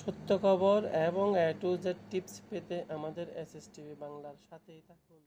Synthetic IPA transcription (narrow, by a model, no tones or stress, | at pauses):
ʃot̪ːokʰɔboɾeboŋɛʈud͡ʑeʈipspet̪eʔamad̪eɾesesʈibibaŋlaɾʃat̪ʰejt̪ʰakun